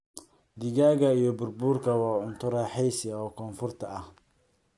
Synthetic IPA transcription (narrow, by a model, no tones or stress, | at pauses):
d̪ɪɣaːɣɐijɞbʊrbuːrkʰɐwɑːʕʊnt̪ʰʊɾɐħɛjsɐɔːkʰɔːnfʊrt̪ʰɐɐh